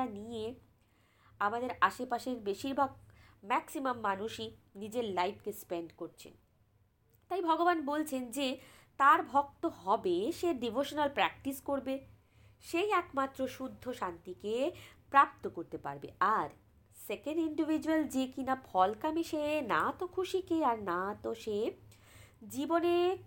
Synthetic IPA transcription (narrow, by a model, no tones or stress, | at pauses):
anie | amad̪eɾaʃepaʃeɾbeʃiɾbʱaɡ̚mɛksimamːanuʃinid͡ʑeɾlajpʰkespeɳɖkoɾt͡ɕʰḛn | t̪ajbʱɔɡobanbolt͡ɕʰend͡ʑet̪aɾbʱɔk̚t̪oɦɔbeʃeɖibʱoʃonalpɾɛk̚ʈiskoɾbe | ʃejɛkmat̪ːɾoʃud̪ʱːoʃant̪ikepɾap̚t̪okoɾt̪epa̰ɾbḛaɾ | sekeɳɖiɳɖivʱid͡ʑuald͡ʑekinafʰɔlkamiʃenat̪okʰuʃikeaɾnat̪oʃe | d͡ʑibone